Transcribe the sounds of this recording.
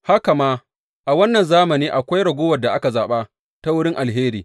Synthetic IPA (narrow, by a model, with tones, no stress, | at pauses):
ha˦ka˨maː˦ | ʔa˨wɐ˦nːɐ˨nzaː˦mɐ˨niː˦ʔa˨kʷa˦jɽɐ˨ɡʷʊoː˦wɐ˨dːa˨ʔa˦ka˨zaː˨ɓa˦ | ta˦wʊ˦ɽɪ˦ŋʔa˨lɦeː˦ɾiː˨